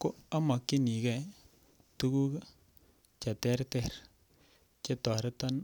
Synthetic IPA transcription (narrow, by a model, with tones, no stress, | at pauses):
ko˦a˦ma˨kːi˦ni˨kɛ˨ | tu˦ɡu˦k | t͡ʃa˨tɛ˦ɾtɛ˦ɾ | t͡ʃe˦tɔ˨ɾta˦n